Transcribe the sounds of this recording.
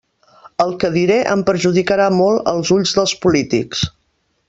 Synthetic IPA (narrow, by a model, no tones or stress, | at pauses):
əlˠkəðiɾeʔə̰mpəɾʒuðikəɾamɔlˠə̰lˠzuʎzðəlˠspulit̪ḭks